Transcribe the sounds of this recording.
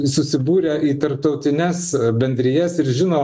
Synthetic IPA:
sʊsʲɪbuːɾʲɛːʔiːt̪ɐɾp̚t̪ɒʊt̪ʲɪnʲɛsbʲɛnʲd̪ʲɾʲɪjɛsɪɾʒʲɪnoː

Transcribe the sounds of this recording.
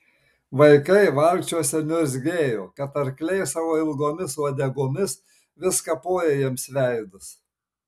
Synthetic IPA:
ʋɐɪkɐɪʋɐlʲkt͡ʃʲuɔsʲɛnʲʊzʲɡʲeːjoːkɐt̪ɐɾklʲɛɪsɑːʋoːɪlˠɡoːmʲɪsɐd̪ʲɛɡoːmʲɪs | ʋʲɪskɐpoːjeːjɛmsʋʲɛɪd̪ʊs

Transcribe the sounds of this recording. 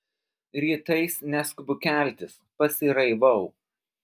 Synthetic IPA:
ɾʲiːt̪ɐɪsnʲɛskʊbʊkʲæˑlʲt̪ʲɪspɐsʲɪɾɐɪʋɐʊ

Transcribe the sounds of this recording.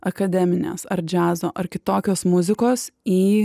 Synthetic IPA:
ɐkɐd̪ʲɛmʲɪnʲḛːsɐɾd͡ʒʲæːzoːʔɐɾkʲɪt̪oːkʲoːsmʊzʲɪkoːsiː

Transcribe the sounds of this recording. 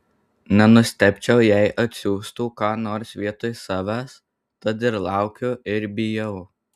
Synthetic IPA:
nʲɛnʊsʲt̪ʲɛpʲt͡ʃʲɛʊjɛɪʔɐt̪ʲsʲuːst̪uːkɑːnoːɾsʲʋʲiɛt̪oːjsɑːʋʲæːs | t̪ɐt̪ɪɾlˠɑˑʊkʲʊɪɾbʲɪjɛʊ

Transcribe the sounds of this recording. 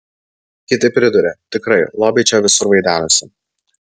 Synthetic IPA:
kʲɪt̪ɐɪpʲɾʲɪd̪ʊɾʲɛt̪ʲɪkɾɐɪlˠoːbʲɛɪt͡ʃʲoːʋʲɪsʊɾʋɐɪd̪ʲæːnosʲɪ

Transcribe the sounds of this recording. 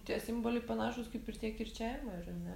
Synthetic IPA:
t̪ʲiɛsʲɪmboːlʲɛɪpɐnɑːʃʊskɐɪpɪrt̪ʲiɛkɪrʲt͡ʃʲæːʋʲɪmɐɪɾɐnʲɛ

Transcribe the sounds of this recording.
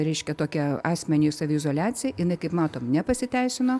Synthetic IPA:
ɾʲɛɪʃʲkʲɛt̪oːkʲɛɑːsʲmʲɛnʲiːsɐʋʲɪɪzoːlʲæːt͡s̪ʲɪjɛjɪnɐɪkɐɪpmɑːt̪oːmnʲɛpɐsʲɪt̪ʲɛɪsʲɪnoː

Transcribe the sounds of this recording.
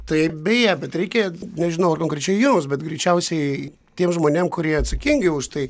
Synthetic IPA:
t̪ɐɪbʲɛjæbʲɛt̪ɾʲɛɪkʲenʲɛʒʲɪnɐʊɐrkoːŋkɾʲɛt͡ʃʲɛɪjiːmʊs̬bʲɛt̪ɡɾʲɛɪt͡ʃʲɛʊsʲɛɪ | t̪ʲiɛmʒmoːnʲeɛmkʊɾʲiɛɐt̪sɐkʲiŋʲɡʲɪʊʃt̪ɐɪ

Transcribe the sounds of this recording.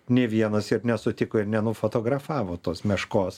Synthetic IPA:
nʲeʋʲiɛnɐsɪrnʲɛsʊt̪ʲɪkoːɪɾnʲɛnʊfoːt̪oːɡrɐfɑːʋoːt̪oːsmʲɛʃkoːs

